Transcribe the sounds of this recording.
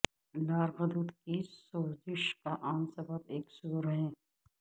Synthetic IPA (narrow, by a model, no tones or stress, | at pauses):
laːɾɣɐd̪ut̪kisoːzɪʃkaʔaːnsɐbəbeːksuuɾɦɛ̃ː